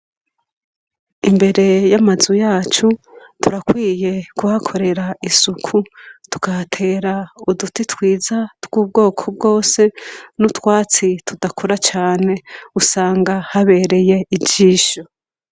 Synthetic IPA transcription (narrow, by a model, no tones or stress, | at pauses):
imbe̞ɾe̞jamazujaːt͡ʃutuɾakwiːje̞kuhakʰo̞ɾe̞ɾaisukʰutu̥katʰe̞ːɾaudutitwiːzatɡ̥uːb̚ɡo̞ːkʰob̚ɡo̞ːse̞nutwaːt͡sitʰudakʰoɾat͡ʃaːne̞usaːŋɡahaβe̞ːɾe̞je̞iɟiːʃo